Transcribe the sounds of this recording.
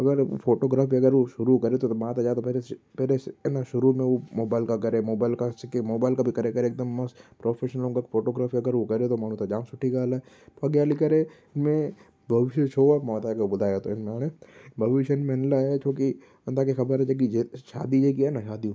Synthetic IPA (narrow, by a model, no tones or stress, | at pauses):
ɐɡəɾ̰pfʰoːʈoːɡɾaːfiɐɡəɾoʃʊɾukɐɾet̪omaːt̪ad͡ʒaːt̪opeɾepeːɾenaʃʊɾumẽomoːbaːɪlkakɐɾemoːbaːɪlkasɪkemoːbaːɪlkabʱikɐɾeːkɐɾeːk̚d̪əmːɐspɾoːpʰeːʃnəlõːkakfʰoːʈoːɡɾaːfiɐɡəɾʋokɐɾet̪omaːnũt̪ad͡ʒãːmsʊʈʰːikaːla | pɐɡjaːlikɐɾe | ɪnmẽ | bʱɐʋɪʃet͡ʃʰoːamaːt̪aɐɡəbʊd̪ʱaːjat̪oɪnmẽaːnebʱɐʋɪʃənmenlaɦɛt͡ʃʰoːki | ɐnd̪akixɐbəɾɦɛd͡ʒek̬id͡ʒeʃa̰ːd̪id͡ʒekiɛːnaʃaːd̪iõː